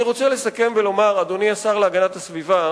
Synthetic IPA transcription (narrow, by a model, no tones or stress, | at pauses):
iʁo̞t͡sele̞sake̞mbelo̞maʁad̪oniasaʁleaɡanat̪asviva